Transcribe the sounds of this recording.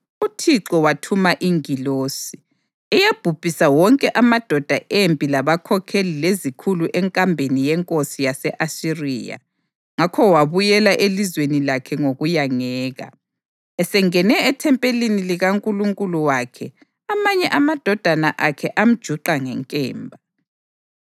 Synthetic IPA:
utʰiǁɔwatʰumaʔiŋiloːsi | ɛjab̥ʱub̥ʱisawɔŋkʼɛʔamad̥ʱɔd̥ʱaʔempʼilaβakʰɔkʰelilezikʰuluʔɛŋkʼambʱenijɛŋkʼosijasɛʔasirḭːja̰ | ŋakʰɔwaβujɛlaʔelizwenilakʰɛŋoɣujaŋɛːɣa̰ | ɛsɛŋɛnɛːtʰɛmpʼeliniliɣaŋkʼuluŋkʼuluwakʰɛ | amaɲɛʔamad̥ʱɔd̥ʱanaʔakʰɛʔam̩d̥ʒ̥ʱuǃaŋɛŋkʼɛ̰ːmbʱa

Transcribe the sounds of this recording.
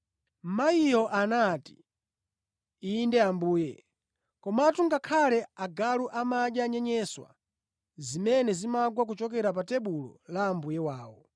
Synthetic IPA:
m̩maijɔʔanati̥ | iːndɛambuːjɛ | kɔmatʰuŋɡakʰalɛaɡaluʔamaɗjaɲɛɲɛswa̰ | zimɛnɛzimaɡwak̬ut͡ʃɔkɛɾap̬atɛɓulɔ̰laːmbujɛwaːwɔ̰

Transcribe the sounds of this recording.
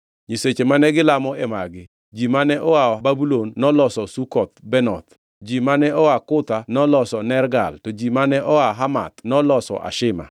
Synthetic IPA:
ɲiset͡ʃemanɛɡɪlamɔɛmaɡɪ | d͡ʒimanɛʔɔwababulonːɔlɔsɔsukɔt̪̚bɛnɔ̰t̪ | d͡ʒimanɛɔwakʊt̪anɔlɔsɔnɛrɡa̰ltɔd͡ʒimanɛʔɔaɦama̰t̪nɔlɔsɔ̰ʔa̰ʃɪma̰

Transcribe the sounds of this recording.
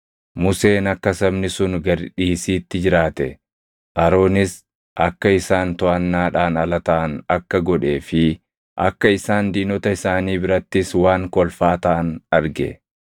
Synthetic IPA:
mʊse̞ːnɐkːɐsɐbnɪsʊnɡɐɾᶑiːsiːt̪ːɪd͡ʒɪɾaːt̪ɛ | ʔɐɾo̞ːnɪs | ʔɐkːɐɪsaːnt̪ɔʔɐnːaːᶑaːnɐlɐt̪ɐʔɐnɐkːɐɡɔᶑe̞ːfɪ | ʔɐ̰kːɐɪsaːnd̪iːnɔt̪ɐɪsaːniːbɪɾɐt̪ːɪswaːŋkɔlfaːt̪ɐʔɐnɐɾɡɛ̰

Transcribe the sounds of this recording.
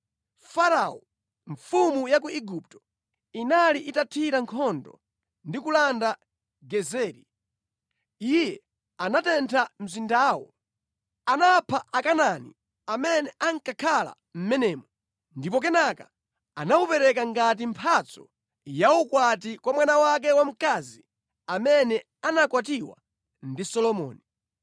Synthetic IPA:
faɾaɔ | ɱfumujak̬uiɡup̚tɔ̥ | inaliʔitatʰiɾaŋkʰɔndɔ̰ | ndikulanda | ɡɛzɛːɾi | ijɛ | anatɛntʰam̩zindaːwɔ̰ | anapʰaʔakananḭ | amɛnɛʔaŋ̩kakʰala̰ | m̩mɛnɛːmɔ | ndipɔk̬ɛnaka | anaupɛɾɛkaŋɡat̬impʰat͡sɔ̥ | jaukwatikwamwanawak̬ɛwam̩kazi | amɛnɛ | anakwatiwa̰ | ndisɔlɔmɔ̰ːni

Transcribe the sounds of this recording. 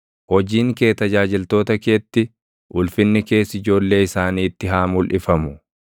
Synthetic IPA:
hɔd͡ʒiːŋke̞ːt̪ɐd͡ʒaːd͡ʒɪlt̪o̞ːt̪ɐkeːt̪ːɪ | ʔʊlfɪnːɪke̞ːsːɪd͡ʒo̞ːlːe̞ːɪsaːniːt̪ːɪɦaːmʊlʔɪfɐmʊ

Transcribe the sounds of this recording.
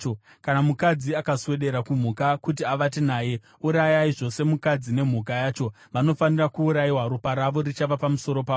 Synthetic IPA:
o | kanamukad͡ziakaswe̞ɗe̞ɾakum̤ukakut̬iaʋatinaːje̞ | uɾajaiʐo̞se̞mukad͡zine̞m̤ukajaːt͡ʃo̞ | ʋano̞fanirakuːɾajiwaɾopaɾaʋo̞rit͡ʃaʋapamuso̞ɾo̞paː

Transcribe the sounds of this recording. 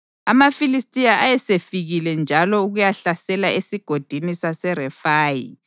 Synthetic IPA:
a̰mafilistʼijaʔajɛsefiɣilɛnd͡ʒʱalɔuɣujaɬasɛlaesiɡ̥ʱod̥ʱinisasɛɾɛfaːjḭ

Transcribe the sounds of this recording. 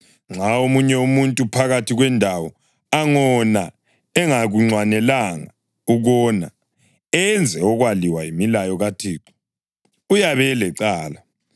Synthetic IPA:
ŋ͡ǁʱaomuɲɛumuntʼupʰaɣatʰiɣwɛndʱawɔ | aŋɔna | ɛŋaɣuŋ͡ǀwanɛlaŋa | uɣɔna̰ | ɛnd͡zʱɛɔɣwaliwajimilajɔɣatʰiːǁu̥ | ujaβɛlɛǀaːla

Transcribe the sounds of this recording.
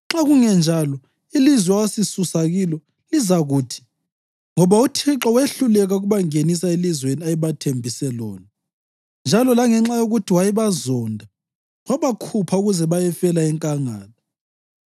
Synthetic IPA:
ŋ͡ǁaɣuŋɛnd͡ʒʱalɔ | ilizwɛawasisusaɣilɔ | lizaɣuːtʰi̥ | ŋɔβautʰiǁɔweɬulɛɣaɣuβaŋenisaelizweniajiβatʰembʱisɛlɔ̰ːna | nd͡ʒʱalɔlaŋɛŋ͡ǁajoɣutʰiwajiβazɔndʱa | waβakʰupʰauɣuzɛβajɛfɛlaɛŋkʼaŋaːlɔ

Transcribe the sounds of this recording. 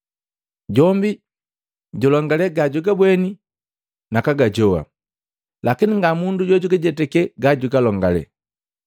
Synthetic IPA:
ɟɔmbi | ɟɔlɔŋɡalɛɡaɟuɡabwɛni | nakaɡaɟɔwa̰ | lakiniŋɡamunduɟɔɟuɡaɟɛtɛkɛɡaɟuɡalɔŋɡalɛ̰

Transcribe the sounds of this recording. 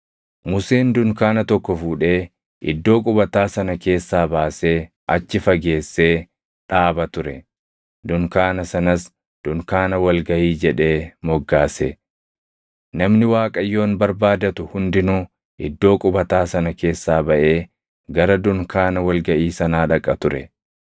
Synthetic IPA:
mʊseːnd̪ʊŋkaːnɐt̪ɔkːɔfuːᶑe̞ː | ʔɪ̰d̪ːo̞ːkʼʊbɐt̪aːsɐnɐke̞ːsːaːbaːse̞ː | ɐt͡ʃːɪfɐɡe̞ːsːe̞ː | ᶑaːbɐt̪ʊɾɛ̰ | d̪ʊŋkaːnɐsɐnɐs | d̪̥ʊŋkaːnɐwɐlɡɐʔiːd͡ʒɛᶑe̞ːmɔɡːaːsɛ | nɐmnɪwaːkʼɐjːo̞ːnbɐɾbaːd̪ɐt̪ʊhʊnd̪ɪnuː | ʔɪd̪ːo̞ːkʼʊbɐt̪aːsɐnɐke̞ːsːaːbɐʔe̞ː | ɡɐɾɐd̪ʊŋkʰaːnɐwɐlɡɐʔiːsɐnaːᶑɐkʼːɐt̪ʊɾɛ

